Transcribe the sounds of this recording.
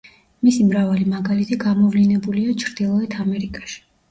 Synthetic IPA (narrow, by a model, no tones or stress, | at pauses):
misimɾavalimaɡalit̪ʰiɡamɔvlinɛbuliat͡ʃʰɾd̪̥ilˠɔɛt̪ʰamɛɾikʼaʃi̥